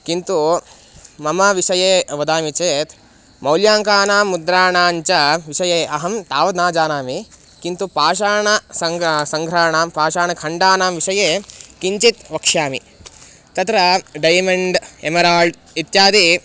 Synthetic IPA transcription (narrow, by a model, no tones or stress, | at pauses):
kint̪u | mɐmɐʋiʃɐjeːʋɐd̪aːmit͡ʃeːt̪ | mɐwljaːŋkaːnaːmːud̪ɾaːnaːɲt͡ʃɐʋiʃɐjeːʔɐɦɐmt̪aːʋɐd̪naːd͡ʒaːnaːmi | kint̪upaːʃaːɳɐsɐŋsɐŋɡʱɾaːɳaːmpaːʃaːɳɐkʰɐɳɖaːnaːmʋiʃɐjeːkiɲt͡ʃit̪ʋɐkʂjaːmi | t̪ɐt̪ɾɐɖɐjmɐɳɖemɐɾaːlɖ | it̪jaːd̪i